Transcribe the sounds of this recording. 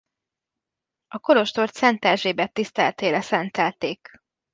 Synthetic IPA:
ɒko̞lo̞ʃt̪o̞rt̪sɛnt̪ɛʒeːbɛt̪ːist̪ɛlt̪eːlɛsɛnt̪ɛlt̪eːk

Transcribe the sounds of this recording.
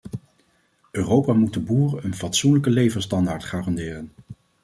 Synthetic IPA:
øːrowpaːmutdəbuːrəənvɑtsunləkəlejvəɹstɑndaːɹtχaːrɑndɪːrən

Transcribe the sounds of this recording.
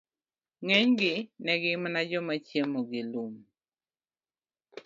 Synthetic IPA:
ŋɛɲɡɪnɛɡɪmanad͡ʒɔmat͡ʃjemoɡɪlum

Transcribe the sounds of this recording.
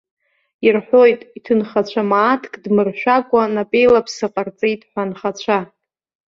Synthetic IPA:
irħʷo̞jtʼitʰɨnχat͡ɕʷʰamaːtʰkʼdmɨrʃᶣʷakʷʼanapʼejlapʰsɨqʼart͡sʼejtʼħʷanχat͡ɕʷʰa

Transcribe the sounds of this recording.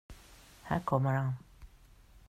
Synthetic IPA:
ha̰kʰɔmaɾãn

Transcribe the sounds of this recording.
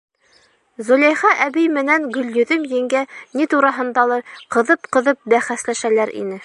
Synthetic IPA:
zŏlæjχɑʔæbɘjmɘ̆næŋɡɵ̆ljɵ̆ðɵmjɘ̆ŋɡænit̪uɾɑɦɤ̆nd̪ɑlˠɤɾqɤ̆ðɤpqɤ̆ðɤp̚bæχæslæʃælæɾʔḭnɘ

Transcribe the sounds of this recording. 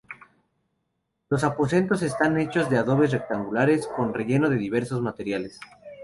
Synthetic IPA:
lo̞sapo̞se̞nt̪o̞s̬e̞st̪ane̞t͡ʃo̞zðe̞aðo̞βe̞s̬rek̚t̪aŋɡulaɾe̞sko̞nre̞ʝe̞no̞ð̞e̞ðiβ̞e̞ɾso̞zmat̪e̞ɾjale̞s

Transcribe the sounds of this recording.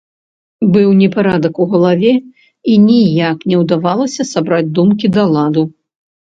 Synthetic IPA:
bɨwnʲɛpaɾad̪ɐkuɣɐlˠavʲɛ | inʲijaknʲɛwd̪avalˠɐsʲɐsabɾad͡zʲd̪umkʲid̪ɐlˠad̪u

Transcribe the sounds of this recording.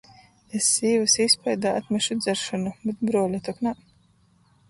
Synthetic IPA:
esːiːvɨsispajd̪aːat̪mʲɛʃud̪zæɾʃɔnubet̪̚bɾuɔlʲat̪ɔkna

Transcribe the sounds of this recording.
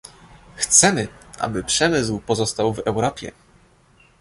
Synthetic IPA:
xt̪sɛmɘʔa̰bɘpʂɛmɘs̬wpɔzɔst̪awvɛwɾɔpʲjɛ̰

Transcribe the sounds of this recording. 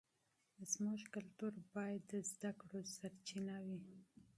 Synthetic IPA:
əzmoʒkalt̪uɾbɑjad̪ːəzd̪akɽosaɾt͡ʃinawi

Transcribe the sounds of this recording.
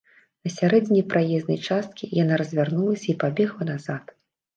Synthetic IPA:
nɐsʲaɾɛd͡zʲnʲipɾʔajɛznɐ̰jt͡ʂast̪̚kʲijanaɾɐzʲvʲarnulˠɐsʲɐipabʲɛɣlˠɐnazat̪

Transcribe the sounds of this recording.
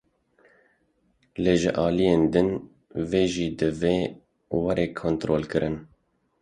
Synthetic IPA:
leːʒɨ̰ʔɑːlijeːnd̪ɨn | veːʒiːd̪ɨveː | wɛɾeːkʰont̪ɾoːlkɨɾʔɨn

